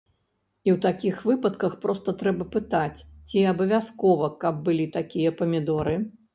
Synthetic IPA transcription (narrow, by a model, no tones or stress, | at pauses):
iwt̪akʲixvɨpɐt̪kɐxpɾɔst̪ɐt̪ɾɛbɐpɨt̪at͡sʲt͡sʲiabɐvʲaskɔvɐkɐb̚ːɨlʲit̪akʲijɐpɐmʲid̪ɔɾɨ